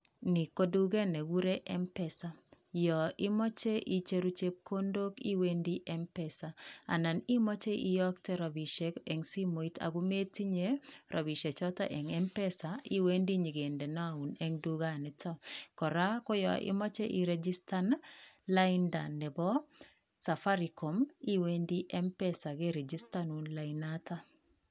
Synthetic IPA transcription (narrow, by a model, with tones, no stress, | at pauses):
ni˨ko˦du˦ɡe˦nɛ˨wu˦ɾe˦ʔɛ˦mpɛ˦sa˨ | jɔ˨ɪ˦mɔ˦t͡ʃe˦ʔi˦t͡ʃe˦ɾu˦t͡ʃe˦p̚ko˦ndo˦kḭ˦we˦ndi˦ʔɛ˦mpɛ˦sa˨a̰˨na˨ni˦mɔ˦t͡ʃe˦ʔi˦jɔ˦ktɛ˦ɾa˨bi˨ʃe˨kɛ˨ŋsi˦mo˨i˦ta̰˨ɡu˦me˦ti˦ɲe˦ɾʔa˨bi˨ʃe˨t͡ʃɔ˦ta̰˦ʔɛ˨ŋɛ˦mpɛ˦sa˨i˦we˦ndi˦ɲi˨ɡe˨ndɛ˨nɔ˦a˨u˨nɛ˦ŋdu˦ɡa˦˨nɪ˨tʰɔ˦kɔ˨ɾa˦ko˦jɔ̰˨ʔḭ˦mɔ˦t͡ʃe˦ʔi˨ɾɛd͡ʒi˦sta˦n | la˦inda˨nɛ˨bɔ˦ | sa˨fa˦ɾiko˨mi˦we˦ndi˦ʔɛ˦mpɛ˦sa˨ɡe˦ɾe˨d͡ʒi˦stanu˦nlainata